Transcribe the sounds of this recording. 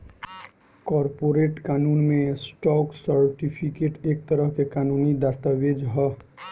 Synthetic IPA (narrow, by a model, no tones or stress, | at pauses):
kɔɾpoɾeʈkaːnuːnmẽsʈɔːksəɾʈipʰikeʈek̚t̪əɾəɦkekaːnunid̪ast̪aʋed͡ʒɦə